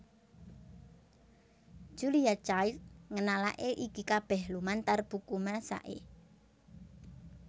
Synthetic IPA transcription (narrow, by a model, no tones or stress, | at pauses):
d͡ʒ̥uliat͡ʃajt̪ŋənala̰ʔeʔikikab̥ɛhlumant̪arb̥ukumasa̰ʔḛ